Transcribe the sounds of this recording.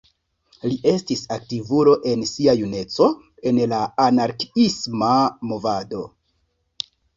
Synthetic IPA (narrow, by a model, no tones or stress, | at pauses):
liʔe̞stisaktivulo̞ʔe̞nsiajune̞t͡so̞ | e̞nlaanaɾkismamo̞vado̞